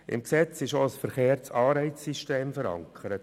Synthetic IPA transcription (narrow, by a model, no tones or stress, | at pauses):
ʔɪ̰mksɛt͡sɪʃosfəɾχeːɾt͡sɑːɾɛɪt͡ssiʃteːmfəɾɑ̰ŋkʰəɾət